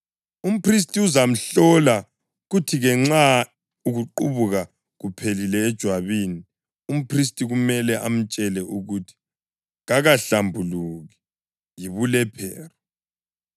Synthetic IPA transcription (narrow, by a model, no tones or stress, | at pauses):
um̩pʰris̬tʼiuzam̩ɬɔla | ɣutʰiɣɛŋ͡ǁa | uɣuǃuβuɣa | ɣupʰelilɛːd̥ʒ̥ʱwaβini | um̩pʰris̬tʼiɣumɛlɛʔam̩t͡ʃʼɛlɛʔuɣutʰi̥ | ɣaɣaɬambʱuluɣi | jiβulɛpʰɛːra